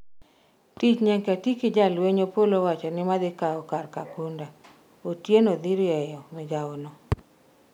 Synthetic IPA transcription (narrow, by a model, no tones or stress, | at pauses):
tit͡ʃɲɛŋkatikɪd͡ʒalweɲopolowat͡ʃɔnɪmad̪ɪkaɔkarkakunda | otjenod̪iɾɛjɔmɪd͡ʒaʊnɔ